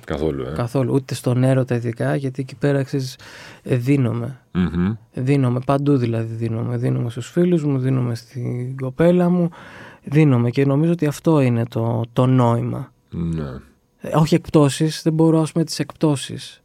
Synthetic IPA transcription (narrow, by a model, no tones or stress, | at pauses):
kɐθo̰lṵekɐθo̞lṵʔut̪e̞st̪o̞ne̞ɾo̞t̪ɐiðikɐʝɐt̪iecipe̞ɾɐeksizisðino̞me̞ | ðino̞me̞pɐnd̪uðilɐðiðino̞̰me̞ðino̞me̞st̪usfiluzmuðino̞me̞st̪iɡo̞pe̞lɐmuðino̞me̞ceno̞mizoot̪iɐft̪o̞ine̞t̪o̞t̪o̞no̞imɐ̰ | nḛ | o̞çie̞k̚pt̪o̞sisðe̞bo̞ɾoɐspume̞t̪i̥se̞kpt̪o̞sḭs